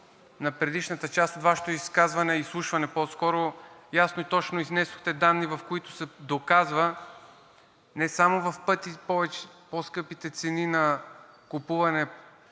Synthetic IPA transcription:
nɐpɾɛd̪iʃnət̪ət͡ʃast̪ot̪vaʃɛ̥t̪ʊiskazvɐnɛislˠuʃvɐnɛposkɔɾojasnoit̪ɔt͡ʃnoiznɛsʊ̥xt̪ɛd̪anːivɐfkoit̪ʊ̥sɛd̪okazvə | nɛsamovɐfpɤt̪ipɔvɛt͡ʃposkɤpit̪ɛt̪sɛninɐkʊpuvɐnɛ

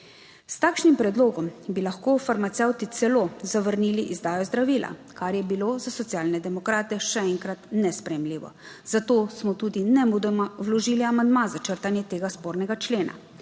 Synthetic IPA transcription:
st̪aːkʃnimpɾɛd̪loːɡɔmbilaxkoːfaɾmat̪sɛwt̪it̪sɛloːzaʋəɾniːliʔizd̪aːjɔzd̪ɾaʋiːlʔa̰kaɾjɛbiloːzasɔt̪sjaːlnɛd̪ɛmɔkɾaːt̪ɛʃɛɛŋkɾat̪nɛspɾɛjɛmliːʋɔ̰ | z̥at̪oːsmɔt̪uːd̪inɛud̪mwlɔʒiːliamand̪mazat͡ʃəɾt̪anjɛt̪eːɡaspoːɾnɛɡat͡ʃleːna̰

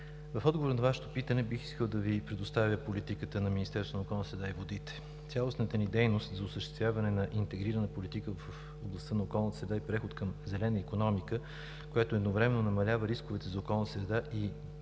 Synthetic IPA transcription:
vɐfɔd̪ɡovoɾnɐvaʃɛ̥t̪opit̪ənɛbixi̥skəlˠd̪ɐvipɾɛd̪ost̪avʲjəpolit̪ikət̪ənɐminist̪ɛɾsonəokɔlˠnəsɾɛd̪aivod̪it̪ɛ̥ | t̪sʲjalˠosnət̪ənid̪ɛjnost̪zɐʊsəʃt̪ɛ̥st̪vʲjavɐnɛnɐʔint̪ɛɡɾiɾənəpolit̪ikəvff | oblˠɐst̪ənɐokɔlˠnt̪əsɾɛd̪aipɾɛxot̪kɐmzɛlɛnəikonɔmikə | kojat̪oɛd̪novɾɛmɛnːonɐmɐlʲavəɾiskovɛt̪ɛzɐokɔlˠnt̪əsɾɛd̪aʔi

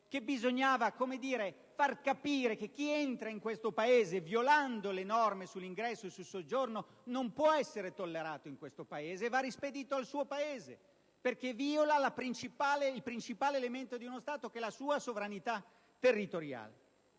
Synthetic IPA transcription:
kebizoɲːaːvakomed̪iːɾe | farkapiːɾekek̟ːient̪ɾaiŋkwest̪opaeːzevjoland̪olenɔrmesulːiŋɡɾɛsːosulsod͡ʒorno | nompwɔɛsːeɾet̪olːeɾaːt̪oiŋkwest̪opaeːzeːvarːisped̪iːt̪oalsuːopaeːze | perk̟eviːolalapɾint͡ʃipaːleilpɾint͡ʃipaːleːlement̪od̪iunost̪aːt̪ok̟elasuːasovɾanit̪a | t̪ːerːit̪oɾja̰ːlḛ

